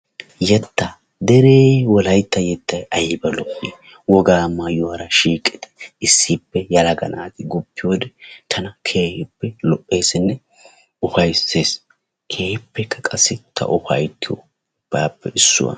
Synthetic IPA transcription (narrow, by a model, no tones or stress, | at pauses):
jɛt̪ːɐ | d̪ɛɾeːwɔlɐjt̪ːɐjɛt̪ːɐjɐjɪbɐlɔʔːɪjɛ | wɔɡaːmɐjʊwɐɾɐʃiːkʼːɪt̪ɛ̥ɪsːiːpːɛjɐlɐɡɐ̰na̰ːt̪ɪɡʊpːɪjoːd̪ɛt̪ʰɐnɐkʰeːhɪpːɛlɔʔːe̞ːsɪnːɛ | ʊfɐjsːeːs | kʰeːhɪpːɛkːɐkʼɐsːɪt̪ʰɐ̰ʔʊfɐ̰jt̪ːɪjo̰ | b̥aːpːɛɪsːʊ̰wɐ̰